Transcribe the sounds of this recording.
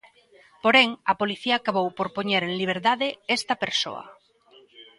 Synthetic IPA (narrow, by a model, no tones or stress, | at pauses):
poɾeŋɐpoliθiaːkaβowpoɾpoɲeɾeŋliβ̞eɾt̪aðeest̪ɐpeɾso̰ɐ̰